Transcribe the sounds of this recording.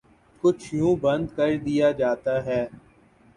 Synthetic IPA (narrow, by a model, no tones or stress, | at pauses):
kʊt͡ʃʰjũːbɐ̃nd̪kɐɾd̪ijad͡ʒaːt̪aɦɛː